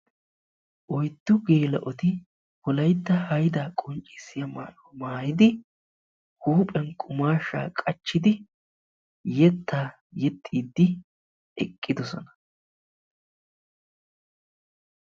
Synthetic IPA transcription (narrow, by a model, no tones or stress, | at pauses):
ʔɔjd̪ːʊɡe̞ːlɐ̰ʔɔt̪ɪ | hɔlɐjt̪ːɐhɐjd̪aːkʼʊnt͡ʃʼːɪsɪjɐma̰ːʔɔmaːjɪd̪ɪ | huːpʼɛnkʼʊmaːʃːa̰ːkʼɐt͡ʃːɪd̪ɪ | jɛt̪ʰːaː | jɛt̪ʼːiːd̪ːɪ | ɛkʼːɪd̪ɔsɔ̰nɐ̥